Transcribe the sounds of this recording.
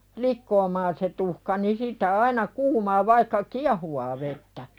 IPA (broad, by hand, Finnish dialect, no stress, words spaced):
likːoːmɑːn se tuhkɑ ni sitˑæ ɑinɑ kuːmɑː ʋɑikːɑ ki̞ɑhuwɑː ʋetːæ